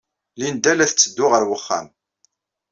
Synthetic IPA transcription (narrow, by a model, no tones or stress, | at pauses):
lind̪ælæθət͡sːəd̪ːʊʁəɾwəχːæ̰m